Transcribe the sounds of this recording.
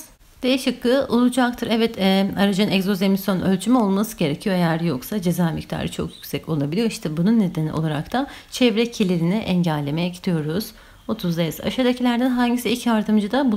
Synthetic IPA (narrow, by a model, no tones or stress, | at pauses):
d̪̥ejiʃɯkːɯʔolˠud͡ʒak̚t̪ʰɯɾɛvɛt̪ʰɛaɾad͡ʒanɛkzo̞zemisjonølʲt͡ʃʰymɛo̞lˠmasɯɟe̞ɾecʰijo̞ejæɾjo̞ksad͡ʒe̞zaːmict̪ʰa̰ːɾɯt͡ʃʰo̞̰kjycsɛco̞lˠabilʲijo̞iʃt̪ʰɛbununːe̞d̪enḭolˠaɾa̰kt̪ʰat͡ʃʰɛvɾɛcʰelʲiɾinɛʔɛɲɟælʲːe̞me̞jɛɟit̪ʰijo̞ɾuz̥ | o̞t̪ʰuzd̪aiza̰ʃad̪acʰilʲæɾd̪ænɦaɲɟisiilʲcjaɾd̪ɯmd͡ʒɯd̪abu